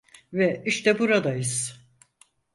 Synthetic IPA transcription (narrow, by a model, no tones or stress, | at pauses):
vɛiʃt̪ʰɛbuɾad̪ajɯz̥